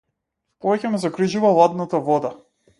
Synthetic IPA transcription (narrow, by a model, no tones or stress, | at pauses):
pɔvɛcɛmɛzɔɡɾiʒuvalˠad̪nat̪avɔd̪a